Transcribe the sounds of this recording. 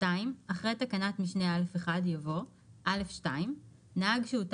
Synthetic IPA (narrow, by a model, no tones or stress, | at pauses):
aimaχʁetakanatmiʃnealefeχadjavo̞ | ʔale̞fʃtaim | naaɡʃeut